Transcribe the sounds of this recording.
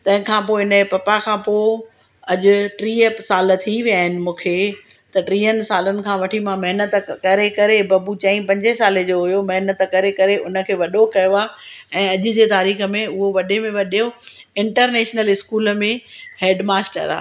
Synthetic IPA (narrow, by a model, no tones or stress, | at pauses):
t̪ɐ̃ɦɪ̃kʰãːpoːɦɪnəpɐpakʰãːpoː | ɐʄʊ̆ʈɾiːəsaːlt̪ʰiʋjaːɦɪnɪ̆mũːkʰeː | t̪ɐʈɾiːənɪ̆saːlənɪ̆kʰãːʋɐʈʰimãmɐɦɪnət̪kɐɾekɐɾebɐbut͡ɕɐ̃ːĩpɐ̃ɲd͡ʑesaːled͡ʑoːɦʊjomɐɦnət̪kɐɾekɐɾeʔʊnə̆kʰeːʋɐɗokɐjoaːɛ̃ːɐʄʊ̆d͡ʑeːt̪aːɾiːxə̆mẽʊɦoʋɐɗemẽʋɐɗijoɪ̃ɳʈəɾneːʃnəlɪskuːlmẽheːɖmaːsʈə̰ɾa̰ː